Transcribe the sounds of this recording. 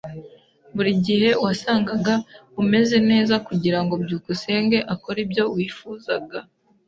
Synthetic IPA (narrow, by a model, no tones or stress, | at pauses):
βuɾiɟihe̞wasaːŋɡaɡaume̞ze̞ne̞ːzakuɟiɾaŋɡobɟuːkuse̞ːŋɡe̞ʔako̞ɾibjo̞wiːfuːzaɡa